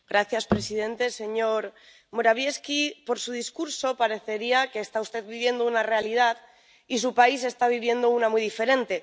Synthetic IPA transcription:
ɡɾaθjaspɾe̞sið̞e̞nt̪e̞se̞ɲo̞ɾ | moɾaβ̞je̞skipo̞ɾsuðiskuɾso̞paɾe̞θe̞ɾiake̞ːst̪aust̪e̞ðβiβje̞nd̪ounare̞alið̞að | is̬upais̬e̞st̪aβ̞iβ̞je̞nd̪o̞unamujðife̞ɾẽ̞nt̪e̞

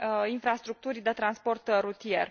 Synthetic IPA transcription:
infɾast̪ɾuk̚t̪uɾʲd̪e̞t̪ɾanspo̞rt̪rut̪ie̞̰r

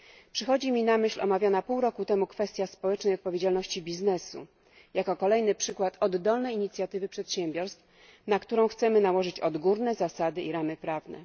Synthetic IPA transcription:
pʂɘxɔd͡ʑimʲinamɘɕlʲɔ̰mavʲjɔnapuwɾɔkut̪ɛmukfɛst̪ʲjaspɔwɛt͡ʂnɛjɔt̪pɔvʲjed͡ʑalnɔɕt͡ɕibʲiznɛsṵ | jakɔkɔlɛjnɘpʂɘkwat̪ɔd̪ːɔlnɛjiɲit̪sʲjat̪ɘvɘpʂɛt̪ɕɛmʲbʲɔɾst̪f | nakt̪uɾɔ̃w̃xt̪sɛmɘnawɔʐɘt͡ɕɔd̪ɡuɾnɛzasad̪ɘiɾamɘpɾavnɛ̰

